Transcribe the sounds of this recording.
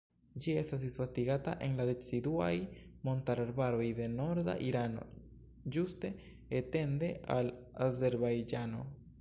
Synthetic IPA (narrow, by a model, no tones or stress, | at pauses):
d͡ʒie̞stasisfastiɡataʔe̞nladet͡sidua̰jmo̞ntaɾaɾbaɾo̞jde̞no̞ɾda̰ʔiɾano̞̰ | d͡ʒuste̞ː | te̞nde̞a̰l | aze̞ɾbajd͡ʒano̞̰